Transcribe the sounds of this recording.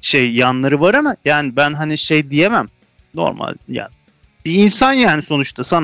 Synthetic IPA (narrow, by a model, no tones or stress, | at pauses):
ʃejːanlˠaɾɯvaɾamajaːnibænɦaniʃejd̪ijemæm | no̞̰ɾma̰lʲja̰ːnɪ | biːnsanjaːniso̞nut͡ʃt̪ʰasan